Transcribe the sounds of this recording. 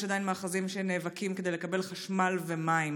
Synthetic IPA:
ad̪ajinmaːχazimʃeneːvakimked̪ejlekabe̞lχaʃmalvemaim

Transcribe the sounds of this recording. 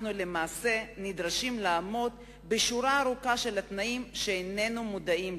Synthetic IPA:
nule̞maːse̞nid̪ʁaʃimlaːmo̞t̪ | beʃuɾaːɾukaʃe̞lat̪naʔimʃeene̞numudaim

